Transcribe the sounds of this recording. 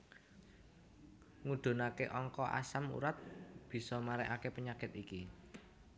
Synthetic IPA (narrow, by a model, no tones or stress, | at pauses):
ŋuɖ̪̥o̤nakeʔɔŋkɔʔa̰samṵɾat̪̚b̥i̤sɔmaɾɛʔakepəɲakɪt̪iki